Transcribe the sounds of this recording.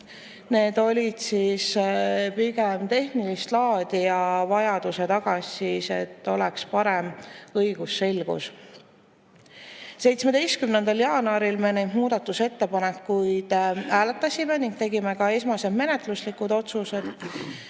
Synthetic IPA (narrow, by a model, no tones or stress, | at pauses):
ne̞ːd̪̥o̞lʲid̪̥siːspiɡemt̪e̞hnilist̪lɑːd̪ijɑvɑjɑd̪̥use̞t̪ɑɡ̥ɑsise̞t̪ːˑo̞lɛkspɑɾe̞mɤjɡ̥usːe̞lɡ̥ṵs | se̞jt̪smed̪e̞jst̪̚kymne̞nd̪̥ɑljɑːnɑɾilme̞ne̞jd̪muːd̪̥ɑt̪ːˑuse̞t̪ːe̞pɑnekːujd̪̥æːle̞t̪ˑːɑsʲime̞niŋɡ̥̚t̪e̞ɡime̞kɑe̞smɑse̞d̪me̞ne̞t̪ˑluslikːud̪o̞t̪suse̞d̪̥